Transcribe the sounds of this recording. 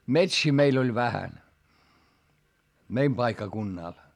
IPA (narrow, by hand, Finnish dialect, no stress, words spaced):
metsiː meil olʲ ʋæhæn meim pɑikːɑkunːɑˑl